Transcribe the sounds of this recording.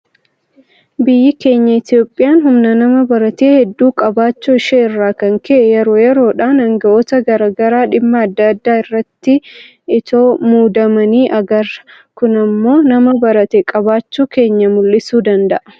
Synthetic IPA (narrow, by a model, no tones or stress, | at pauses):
bɪjːɪke̞ːɲːɐɪt̪io̞ːpʼːɪjaːnhʊmnɐnɐmɐbɐɾɐt̪eːhɛd̪ːuːkʼɐbaːt͡ʃːuɪʃɛːɪrːaːkɐŋkʰɛʔɛjɛɾo̞ːjɛɾo̞ːᶑaːnɐŋɡɐʔoːt̪ɐɡɐɾaɡɐɾaːᶑɪmːɐːd̪ːaːd̪ːaːɪrːɐt̪ːɪ | ʔɪt̪o̞ːmuːd̪ɐmɐniːʔɐɡɐɾ | kʊnɐmːo̞ːnɐmɐbɐɾɐt̪eːkʼɐbaːt͡ʃːuːke̞ːɲːɐmʊlːɪsuːd̪ɐnd̪ɐʔɐ